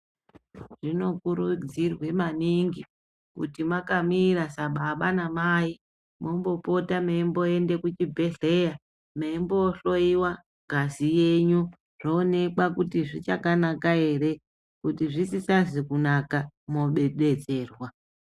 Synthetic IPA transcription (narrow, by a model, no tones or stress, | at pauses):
ʐ̥ino̞kuɾud͡zirwe̞maniŋɡi | kṵtimakamiɾasaɓaɓanamai | mo̞mbo̞po̞tamaimbo̞ende̞kut͡ʃibʱe̞ɮe̞ja | maimboɬo̞iwa | ɡʱazije̞ɲu | roːne̞kwakutiʐit͡ʃakanakae̞re̞ | kutiʐisisazikunakamo̞ɓe̞ɗe̞d͡ze̞ːrwa